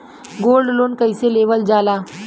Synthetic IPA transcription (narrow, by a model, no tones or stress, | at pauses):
ɡoːlɖloːnkəiseleːʋəld͡ʒaːlaː